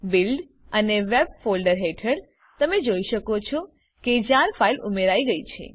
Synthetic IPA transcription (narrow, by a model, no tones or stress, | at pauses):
bilɖ | əneʋeb̚folɖəɾɦeʈʰəɽ | t̪əmed͡ʒoiʃəkot͡ʃʰɔ | ked͡ʒjãɾfailumeɾaiɡəit͡ʃʰḛ